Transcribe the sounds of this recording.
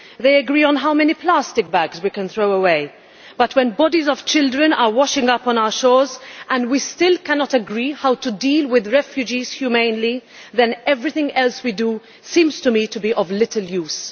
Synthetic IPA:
ðeɪəɡɹiːə̃nɦaʊmɛnipʰlastɪk̚bæɡzwikɨ̃nθɹoʊəweɪ | b̥ʌtʰwɛ̃nbɔdizɔv̥t͡ʃɪldɹɨ̃nəwɔʃɪ̃ŋʌpɔ̃naʊə˞ʃɔːɹzʔə̃nwistɪlkænɔtəɡɹihaʊtudiːlwɪðɹɛfjud͡ʒiz̥hjumẽɪ̃nli | ðɛ̃nɛvɹɪθɪ̃ŋɛlswidu | sĩmz̥tumitubiʔɔvlɪtʰəljuːz̥

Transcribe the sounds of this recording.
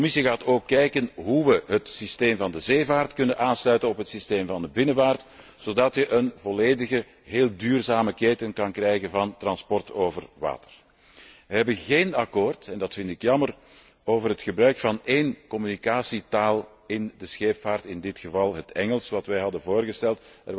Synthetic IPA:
əkɔmɪsiɣaːtoːkːɛjkənɦuʋəɦətsisteːmvɑndəzeːvaːrtkɵnənʔaːnslœɥtənɔpɦətsisteːmvɑndəbɪnəvaːrt | z̥oːdɑtjəʔənvɔleːdəɣə | ɦeːlˠdyːrzaːməkeːtənkɑnkrɛjɣənvɑntrɑnspɔrtoːvərʋa̰ːtə̥r | ʋəɦɛbənɣeːnɑkoːrtɛndɑtfɪntɪkjɑmər | oːvərɦətxəbɾœɥkfɑneːnkɔmynikaːsitaːlˠ | ɪndəsxeːpfaːrtɪndɪtxəvɑlˠɦətɛŋəlˠsʋɑtʋɛjɦɑdənvoːrɣəstɛlˠtər

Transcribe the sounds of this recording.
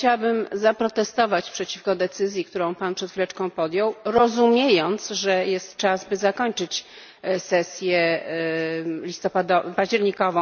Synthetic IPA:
t͡ɕawabɘmzapɾɔt̪ɛst̪ɔvat͡ɕpʂɛt͡ɕifkɔd̪ɛt̪sɘzʲjik̚t̪uɾɔ̃w̃panpʂɛt̪fʲilɛt͡ʂkɔ̃w̃pɔd̪jɔwɾɔzumʲjejɔnt̪sʐɛjɛst̪t͡ʂazbɘzakɔɲt͡ʂɘt͡ɕ | sɛsʲjɛ | lʲist̪ɔpad̪ɔpaʑd͡ʑɛɾɲikɔvɔ̃w̃

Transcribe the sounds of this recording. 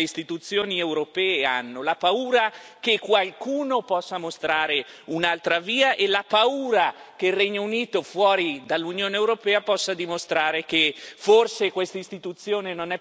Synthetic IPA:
eist̪it̪ut̪sːjoːniewɾopɛːeanːolapauːɾakekːwalkuːnopɔsːamost̪ɾaːɾe | unalt̪ɾaviːaʔelapauːɾakeilrːɛɲːouniːt̪ofwɔːɾid̪alːunjoːneewɾopɛːapɔsːad̪imost̪ɾaːɾekeforsekwest̪aist̪it̪ut̪sːjoːnenonɛ

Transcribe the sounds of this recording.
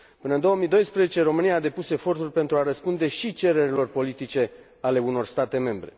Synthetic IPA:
pɨnəɨnd̪o̞əmid̪o̞jspɾezet͡ʃe̞ɾo̞mɨniaːd̪e̞puse̞fo̞rt̪urʲpe̞nt̪ɾuaɾəspund̪e̞ʃit͡ʃe̞ɾe̞ɾilo̞rpo̞lit̪it͡ʃe̞ | ale̞uno̞rst̪at̪e̞me̞mbɾe̞̰

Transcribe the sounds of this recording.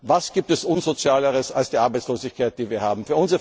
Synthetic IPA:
vasɡ̥iːp̚tɛsʔʊnzot͡sjaːləʁəsalsd̥iːʔaɐbaɪt͡sloːzɪçkʰaɪt̚d̥iːviːɐhaːbm̩fyːɐʊnzəʁə

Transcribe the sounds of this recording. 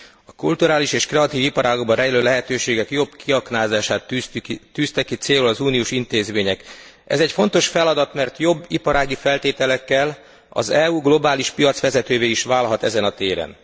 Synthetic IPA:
ɒkult̪uɾaːliʃeːʃkrɛɒt̪iːvipɒɾaːɡoɡ̚bɒrɛjiløːlɛɦɛt̪øːʃeːɡɛkjo̞bkʰiɒknaːzaːʃaːt̪t̪ːyːst̪ɛkːit̪seːlulɒzuːnijuːʃint̪eːzmeːɲɛk | ɛ̰zɛcfo̞nt̪o̞ʃfɛlɒd̪ɒt̪mɛrt̪jo̞bːipɒɾaːɡifɛlt̪eːt̪ɛlɛkːɛl | ɒ̰zɛuːɡlo̞baːliʃpijɒt̪sʋɛzɛt̪øːveːiʃʋaːlɦɒt̪ɛ̰zɛnɒt̪eːɾɛ̰n

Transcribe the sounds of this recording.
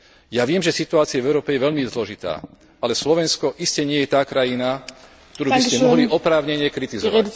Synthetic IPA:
jaʋɪɛmʒɛsit̪uaːt͡siavɛʊɾɔːpɛjɛʋɛʎmizlɔʒit̪a̰ː | alɛslɔʋɛnskɔʔiscɛɲɪɛjɛt̪aːkɾajina | kkt̪ɔɾuːbiscɛɔɦliʔɔpɾaːʊɲɛɲɪɛkɾit̪izɔʋa

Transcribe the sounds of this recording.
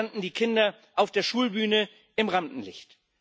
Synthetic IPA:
anʔn̩diːkʰɪndɐ | ʔaʊfd̥eːɐʃuːlbyːnə | ʔɪmʁamdn̩lɪ̰çt

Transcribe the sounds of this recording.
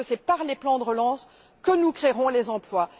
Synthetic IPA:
əsɛpaʁleplɑ̃d̪əʁəlɑ̃s | kənukχeʁɔ̃lezɑ̃plwa

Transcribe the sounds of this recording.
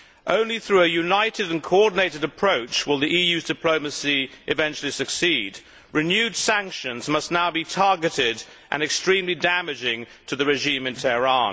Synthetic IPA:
ʔõ̰ʊ̃nliθɹʉɨjʉnaɪɾɨɾɨ̃nkʰəɔɹdⁿn̩eɪɾɨɾɨpʰɹ̥oʊt͡ʃwəlˠðiʔijʉzdɨpʰl̥oʊmɨsiʔɨvɛ̃nt͡ʃl̩ˠisɨksid | ɹɨnjʉdsæ̃ŋkʃɨ̃nzmʌstⁿnaʊbitʰɑɹɡɨɾɪɾ | ʔɨ̰̃nɨkstɹ̥ĩmlidæmɨd͡ʒɪ̃ŋtʰɨðɨɹɨʒĩmɨ̃ntʰɛɹɑ̃n

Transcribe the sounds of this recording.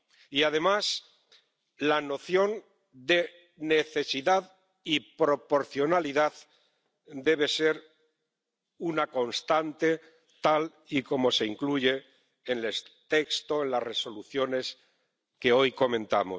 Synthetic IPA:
iað̞e̞mas | lano̞θjo̞n | d̪e̞ | ne̞θe̞siðað | ipɾo̞po̞ɾθjo̞naliðað | d̪e̞βe̞se̞ɾ | unako̞nst̪ant̪e̞ | t̪al | iko̞mo̞se̞iŋkluʝe̞ː | nlest̪ekst̪oenlasre̞so̞luθjo̞ne̞s | ke̞o̞jko̞mẽ̞nt̪a̰mo̞

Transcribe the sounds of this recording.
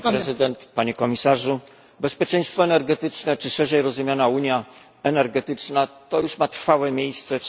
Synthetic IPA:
pɾɛzɘd̪ɛnt̪paɲɛkɔmʲisaʐu | bɛspʲjet͡ʂɛ̃j̃st̪fɔɛnɛɾɡɛt̪ɘt͡ʂnɛt͡ʂɘʂɛʐɛjɾɔzumjanauɲja | ɛnɛɾɡɛt̪ɘt͡ʂnat̪ɔjuʂmat̪ɾfawɛmʲejst̪sɛ

